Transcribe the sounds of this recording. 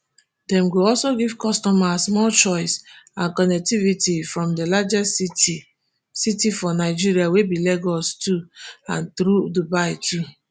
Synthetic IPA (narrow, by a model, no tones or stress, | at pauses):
dɛ̃mɡoɔlsoɡivkɔstɔmasmɔlt͡ʃɔɪsãnkɔnɛk̚tivitifɹɔ̃mdelad͡ʒɛs | sitifɔnaɪd͡ʒiɹiawebileɡɔstuã̰nθɾudubaɪtʰu